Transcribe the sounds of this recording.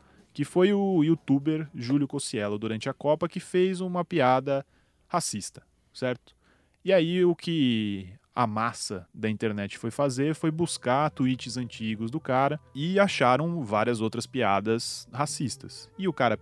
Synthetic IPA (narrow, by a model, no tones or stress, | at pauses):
kɪfojʊut̪ubeɾʒuljʊkosiɛlʊd̪uɾɐ̃nt͡ʃɪɐkɔpɐkɪfejzũmɐpiad̪ɐ | hasist̪ɐ̥ | sɛɾt̪ʊ̥ | ɪaiʊkʰɪ | ɐ̰masɐd̪ɐĩnt̪eɾnɛt͡ʃɪ̥fojfazeɾfojbuskat̪uit͡ʃɪzɐ̃nt͡ʃiɡʊzd̪ʊkaɾɐɪaʃaɾɐ̃w̃vaɾiɐzowt̪ɾɐspiad̪ɐshasist̪ɐsɪʊkaɾɐ